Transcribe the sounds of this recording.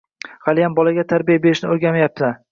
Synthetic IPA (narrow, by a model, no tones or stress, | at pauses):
χɑlɪjambɒlaɡʲat̪ʰaɾbijabe̞ɾɪʃnɪoɾɡʲamajap̚t̪ʰɪ